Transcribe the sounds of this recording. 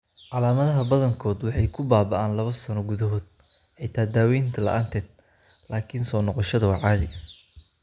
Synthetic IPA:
ʕɑlaːmɐðɐɦɐbɐðɐŋkʰɔːd̪wɑħɑjkʰʊbaːbɐʔaːnlɐβɐsɐnɔɡʊðɐɦɔːd̪̚ | ʔɛjt̪ʰaːd̪aːwɛjnt̪ʰɐlɐ̰ʔaːnt̪ʰɛːd̪̚ | laːkʰinsɔːnɔqɔʃɐðɐwɑʕɑːðɪ̰ʔɐ

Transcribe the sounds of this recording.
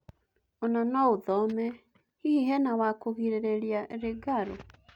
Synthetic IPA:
onanɔoðɔmɛ | hihiɦɛnawakoɣiɾeɾeɾjaɾeɡaɾo̰

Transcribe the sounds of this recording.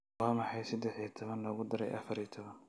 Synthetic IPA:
wɑːmɑħɑjsɐd̪ɛħit̪ʰɔβɐnlɔːɣʊd̪ɐɾɛ̰jʔɐ̰fɐɾit̪ʰɔβɐn

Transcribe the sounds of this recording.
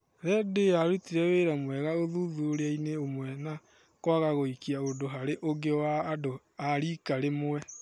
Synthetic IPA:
ɾɛdeaɾutiɾɛweɾamwɛɣaoðuðuoɾeaineomwɛna | kwaɣaɣoikiaondoɦaɾeʔoɡewaːdo | aɾiːkaɾemwɛ

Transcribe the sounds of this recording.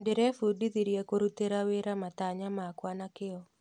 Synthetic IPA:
ndeɾɛfudiðiɾjekoɾut̪eɾaweɾamat̪aɲamakwanakɪɔ

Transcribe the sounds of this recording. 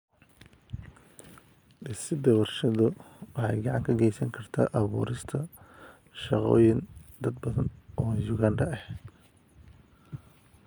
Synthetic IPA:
ɖɪsɪd̪ɐwɐrʃɐðʊwɑħɑjɡɑʕɑŋkʰɐɡɛjsɐŋkʰɐrt̪ʰa̰ːʔɐβṵːɾɪst̪ʰɐ | ʃɑqɔ̰ːjɪnd̪ɐd̪̚bɐðɐnʔɔːjʊɣanɖɐɛh̪

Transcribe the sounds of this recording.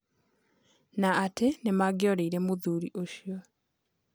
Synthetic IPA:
naːtenemaɡjɔɾeiɾemoðuːɾiʔoʃiɔ

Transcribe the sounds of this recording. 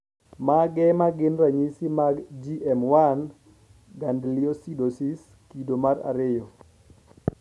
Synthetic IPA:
maɡɛmaɡɪnraɲisimaɡd͡ʒiʔɛmwan | ɡandlɪɔsidosis | kidomara̰ɾɪjɔ

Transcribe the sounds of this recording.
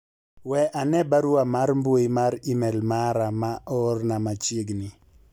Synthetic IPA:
wɛʔanɛbaɾuamaɾmboimaɾimɛlmaɾamaʔɔrnamat͡ʃeɡnɪ

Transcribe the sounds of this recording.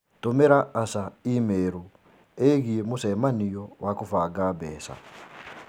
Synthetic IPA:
tomeɾaːsaimeɾu | eɣiemusemanijowʔakufaɡabɛ̰ːsa̰

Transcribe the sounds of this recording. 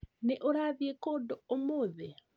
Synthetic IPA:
neʔoɾaðjekodoomoðe

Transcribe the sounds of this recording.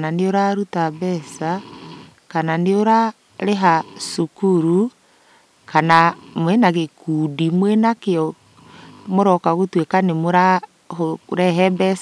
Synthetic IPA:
naneoɾaɾutabɛsa | kananeoɾa | ɾeɦasukuɾu | kanamwɛnaɣekudimwɛnakeɔ | moɾɔkaɣotwekanemoɾa | oɾɛɦɛbɛs

